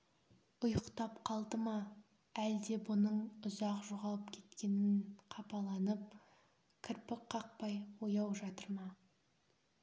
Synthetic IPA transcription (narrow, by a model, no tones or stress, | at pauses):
ʊjqt̪ɑpqʰɑlˠd̪əmɑ | æld̪e̞bʊnəɴʊzɑqʒoʁɑlˠəpkʲʰe̞̥t̪kʲe̞nɪnqʰɑpɑlˠɑnəp̚ | kʲʰɪɾpɪqqʰːɑq̚pɑjwojɑwʒɑt̪əɾmɑ